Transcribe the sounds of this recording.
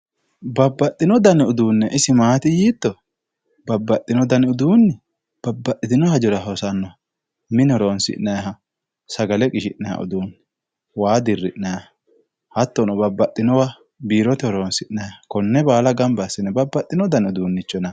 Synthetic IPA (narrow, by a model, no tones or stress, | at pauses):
bɐbːɐt̪ʼːɪnɔd̪ɐnɛʊd̪uːnːɛʔɪsɪmaːt̪ɪjiːt̪ːɔ | bɐbːɐt̪ʼːɪnɔd̪ɐnɛʊd̪uːnːɪ | b̥ɐbːɐt̪ʼːɪt̪ɪnɔhɐd͡ʒɔɾɐɦɔsɐnːɔ | mɪnɔɾoːnsɪ̰ʔnːɐjɦɐ | sɐɡɐlɛkʼɪʃɪʔnɐja̰ʔʊ̰d̪uːnː | waːd̪ɪrːɪ̰ʔnɐj | hɐt̪ːɔnɔbɐbːɐt̪ʼːɪnɔwa | biːɾɔt̪ɛhɔɾoːnsɪʔnɐjhɐkɔnːɛbaːlɐɡɐmbɐsːɪnːɛbɐbːɐt̪ʼːɪnɔd̪ɐnɛʊd̪uːnːɪt͡ʃːɔnɐ